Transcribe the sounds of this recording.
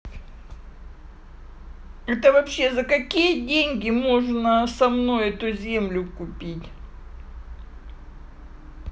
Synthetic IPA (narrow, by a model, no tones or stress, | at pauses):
ɛt̪əvɐpɕːe̞zəkɐkʲijədʲenʲɡʲɪmo̞ʐnəsɐmno̞jɛt̪ʊzʲemlʲʊkʊpʲitʲ